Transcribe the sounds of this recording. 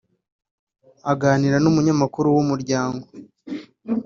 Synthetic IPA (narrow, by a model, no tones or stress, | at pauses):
aɡaːniɾanumuɲamakuɾuwumuɾɟaːŋɡo̞